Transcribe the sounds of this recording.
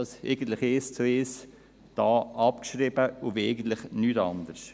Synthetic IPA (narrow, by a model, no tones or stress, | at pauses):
ɑsɛ̰ɪɡən̩t̪ləχɪst͡sʊɪs | d̪̥ɑːʔɑpkʃɾɪbəʊvɛɪɡən̩t̪ləχnytɑ̰nd̪əɾs